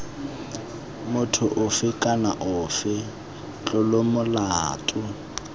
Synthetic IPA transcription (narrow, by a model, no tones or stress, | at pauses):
mʊtʰʊʔʊfɪkʼanaʔʊfɪ | t͡ɬʼʊlomʊlaːtʼʊ